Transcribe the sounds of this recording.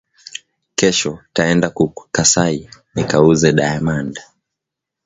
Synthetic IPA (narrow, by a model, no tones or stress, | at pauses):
kɛʃɔtaɛndakukasainikauzɛɗaɛmanda